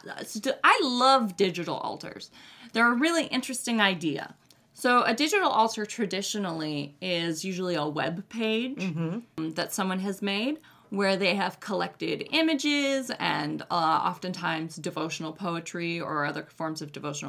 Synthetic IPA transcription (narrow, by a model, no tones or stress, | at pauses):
saɪlʌvdɪd͡ʒɨɾl̩ˠɔ̰lˠtʰə̰˞z̥ðə˞əɹɪlˠiʔɪ̃nt͡ʃɹ̥ɨstɪ̃ŋaɪdiɨ̰ | soʊʔɨdɪd͡ʒɨɾl̩ˠɔlˠtʰə˞tʰɹ̥ɨdɪʃɨnl̩ˠiɪzjʉʒl̩ˠiəwɛ̰b̚pʰeɪ̥d͡ʒ̥ðɨtsʌ̃mwʌ̃nɨzmeɪd̚ | wə˞ðeɪɨv̥kʰəlɛk̚tɪɾɪ̃mɨd͡ʒɪzɨ̰̃nɑ̰fɨ̃ntʰãɪ̃mzdɨvoʊʃn̩l̩ˠpʰoʊɨt͡ʃɹ̥iə̰˞ʌðə˞fɔɹmzʌvdɨvoʊʃn̩l̩